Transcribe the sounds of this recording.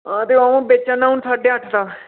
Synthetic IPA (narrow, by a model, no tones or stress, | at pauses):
ãːt̪eoaːũːbet͡ʃãːnaːɦʊnsaːɖeːəʈʰd̪aː